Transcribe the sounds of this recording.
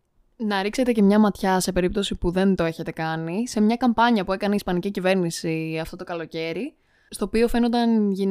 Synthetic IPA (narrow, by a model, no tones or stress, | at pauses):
nɐɾikse̞t̪e̞ce̞mɲɐmɐt̪çɐse̞pe̞ɾip̚t̪o̞sipuðe̞nt̪oe̞çet̪e̞kɐnise̞mɲɐkɐmpɐɲiɐpue̞kɐneispɐnicicive̞ɾnisiɐft̪o̞t̪okɐlo̞ce̞ɾi | st̪o̞ːpio̞fe̞no̞nd̪ɐnʝin